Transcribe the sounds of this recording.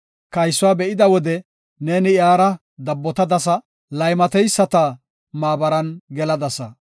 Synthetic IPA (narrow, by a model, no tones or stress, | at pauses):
kɐjsːʊwaːbɛʔɪd̪ɐwɔd̪ɛ | neːnɪjaːɾɐ | d̪ɐbːɔt̪ɐd̪ɐsɐ | lɐjmɐt̪ɛjsːɐt̪ɐ | maːbɐɾɐnɡɛlɐd̪ɐsɐ